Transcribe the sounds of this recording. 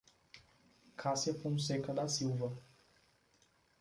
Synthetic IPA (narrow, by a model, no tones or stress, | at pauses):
kʰasjɐpõsekɐd̪ɐsiwvɐ